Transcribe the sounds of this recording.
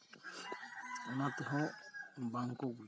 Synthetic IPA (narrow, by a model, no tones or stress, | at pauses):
ɔnatuɦɔm̩baŋ̩koɡi